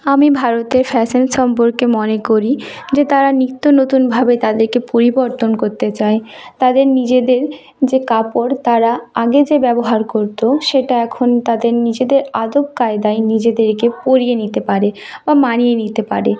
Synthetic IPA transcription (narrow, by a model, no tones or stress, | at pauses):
amibʱaɾot̪eɾfɛsenʃɔmpoɾkemɔnekoɾid͡ʑet̪aɾanit̪ːonot̪unbʱabet̪ad̪eɾkepoɾiboɾt̪onkoɾt̪et͡ɕaet̪ad̪eɾnid͡ʑed̪eɾ | d͡ʑekapoɾt̪aɾaaɡed͡ʑebɛboɦaɾkoɾt̪oʃeʈaɛkʰont̪ad̪eɾnid͡ʑed̪eɾad̪ob̚kaed̪aenid͡ʑed̪eɾkepoɾijenit̪epaɾebamanijenit̪epa̰ɾe